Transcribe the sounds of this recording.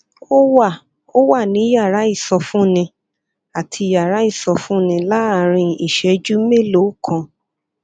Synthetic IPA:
o˦wa˦˨ | o˦wa˦˨nĩ˨˦ja˦˨ɾa˨˦i˦˨sɔ˧fũ˦nĩ˧ | a˨tʰi˧˨ja˨ɾa˨˦i˦˨sɔ˧fũ˦nĩ˧la˦a˦˨ɾ̃ĩ˧i˨ʃɛ˨d͡ʒu˦me˦˨lo˨˦kʰã˧

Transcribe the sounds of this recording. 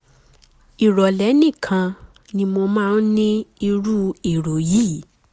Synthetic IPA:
i˨ɾɔ˨lɛ˨˦nĩ˦˨kʰã˧ | nĩ˧mo˧mãː˦˨˦n˦nĩ˦i˧ɾu˦i˨ɾo˨ji˦˨

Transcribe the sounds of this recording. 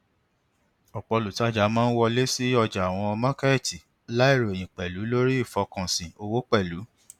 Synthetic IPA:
ɔ˨k͡pɔ˧lu˨ta˦˨d͡ʒa˨˦mãː˦n̩˦wɔ˧le˦si˦ɔ˧d͡ʒa˨w̃ɔ̃˧mã˦ka˦ɛ˦˨ti˨ | la˦i˦˨ɾo˨e˨j̃ĩ˨k͡pɛ˨lu˨˦lo˦ɾi˦i˦˨fɔ˧kã˨sĩ˨o˧wo˦k͡pɛ˦˨lu˨˦

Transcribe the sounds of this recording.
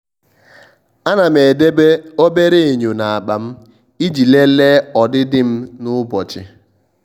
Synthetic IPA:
a˦na˨me˨de˦be˦o˦be˦ɾe˦e˨ɲo˨na˨a˨k͡pa˨m̩˦ | i˦d͡ʒi˨le˦le˦ɔ˨dɪ˦dɪ˦m̩˦nʊ˦bɔ˨t͡ʃɪ˦

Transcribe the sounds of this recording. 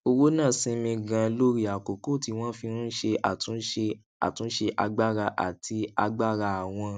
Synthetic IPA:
o˧wo˦nã˦˨sĩ˧mĩ˧ɡã˧lo˦ɾi˦a˨ko˨ko˦˨ti˧w̃ɔ̃˦fĩ˧nũ˦ʃe˧a˨tũ˨˦ʃe˧ | a̰˨tũ˨˦ʃe˧ʔa̰˧ɡ͡ba˦ɾa˧ʔa̰˨tʰi˧a˧ɡ͡ba˦˨ɾa˧a˨w̃ɔ̃˧

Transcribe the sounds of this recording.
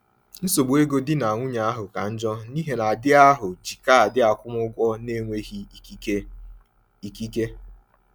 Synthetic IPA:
n̩˦so˨ɡ͡bʷe˦ɡo˦dɪ˦na˨ŋʷʊ˦ɲa˨a˦ɦʊ˨ka˨n̩˦d͡ʒɔ˦ni˦ɦe˨na˨dɪ˦a˦ɦʊ˨d͡ʒi˨ka˦a˨dɪ˦a˨kʷʊ˦m˦ʊ˦ɡʷɔ˦ne˦ŋʷe˦ɦi˨˦ | i˨ki˦ke˦

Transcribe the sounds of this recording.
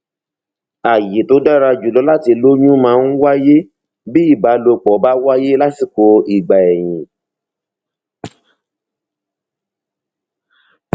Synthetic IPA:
a˨je˨to˨˦da˦ɾa˧d͡ʒu˨lɔ˨˦la˦ti˧lo˦ɲũ˦mãː˨˦˧n̩˦wa˦je˦ | bi˦i˦˨ba˨˦lo˧k͡pɔ˨˦ba˦wa˦je˦la˦si˨ko˧i˨ɡ͡ba˨ɛ˨j̃ĩ˨

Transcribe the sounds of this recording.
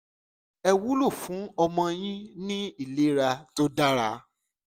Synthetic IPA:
ɛ˧wu˦lo˦˨fũ˨˦ɔ˧mɔ̃˧j̃ĩ˦nĩ˦i˦˨le˦ɾa˧to˦da˦ɾa˦

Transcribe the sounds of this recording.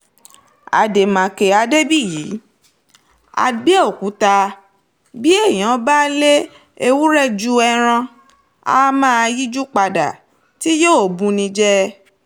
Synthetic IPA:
a̰˨de˨mã˨ke˨a˧de˦bi˦˨jiː˨˦ | a̰˧be˦o˦˨ku˨˦ta˧ | bi˦e˦˨j̃ã˨˦ba˦le˦ | e˧wu˦ɾɛ˦˨d͡ʒu˦ɛ˧ɾ̃ã˧ | a̰˧˦mã˦a˧ji˦d͡ʒu˦k͡pa˧da̰˨ | ti˦jo˦o˨bũ˧nĩ˧d͡ʒɛ˦

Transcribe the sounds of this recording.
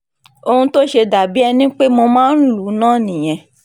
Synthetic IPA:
o˧hũ˧to˦ʃe˧da˨bi˦ɛ˧nĩ˦k͡pe˦mo˧mãː˦n̩˦lu˨˦nãː˦˨nĩ˨j̃ɛ̃˧

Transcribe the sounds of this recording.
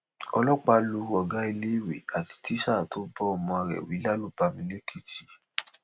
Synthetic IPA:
ɔ̰˧lɔ˦k͡pa˧lu˨˧ɔ˨ɡa˦i˧le˦i˦˨wḛ˨a˨ti̥˧ti˦ʃa˦˨to˨˦bɔ˦ɔ˧˨mɔ̃˧ɾɛ̰˨wi˨˦la˦lu˦˨ba˧mĩ˧ne˦kʰi˦˨ti˨

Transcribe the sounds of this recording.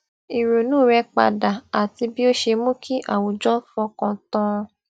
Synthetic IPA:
i˨ɾo˨nũː˦˨ɾɛ˧k͡pa̰˨da˨a˨ti˧bi˦o˦ʃe˧mũ˦kʰi˦ʔa̰˦˨wo˨d͡ʒɔ˦fɔ̃˧kã˧tɔ̃˦

